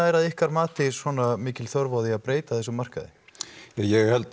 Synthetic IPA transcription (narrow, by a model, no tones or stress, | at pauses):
aɛɾaðɪhkaɾmaːt̪ɪswɔːnamɪːcɪlθɔɾvɔðiaðpɾeːjt̪aθɛsːʏmar̥ka̰ðɪ̰jajɛɣhɛlt̪